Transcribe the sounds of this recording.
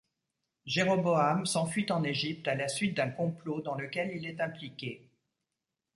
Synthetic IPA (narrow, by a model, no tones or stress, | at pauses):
ʒeʁɔboamsɑ̃fɥit̪ɑ̃neʒip̚t̪alasɥit̪̚d̪ɛ̃kɔ̃plod̪ɑ̃ləkʲɛlilɛt̪ɛ̃plikʲe